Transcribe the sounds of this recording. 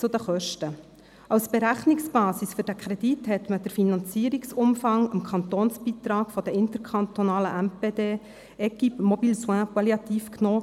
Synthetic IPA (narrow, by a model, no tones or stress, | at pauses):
t͡sʊd̥̪əχœʃtə | ʔɑʊsb̥eɾæχnɪksb̥ɑːsisfʏɾd̥ækʰɾɛd̥ithɛt̪məd̥əɾfinɑ̃nt͡siːəɾiksʊmfɑŋəmkʰχɑnt̪oːnsb̥iːt̪ɾɑːkfɔd̥̪əɪnt̪əɾkʰχɑnt̪onɑːləʔæmpeːdeː | ɛkimɔbiːlswæ̃pɑljɑt̪iːfknoː